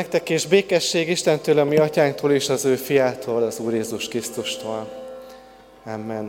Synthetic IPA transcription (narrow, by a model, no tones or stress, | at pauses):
ɛk̚t̪ɛkːeːʒbeːkɛʃːeːɡiʃt̪ɛnt̪øːlɒmiɒcaːŋkt̪ʰoːleːʃɒzøːfijaːt̪ʰoːlɒzuːrjeːzuʃkrist̪uʃt̪oːl | amːɛn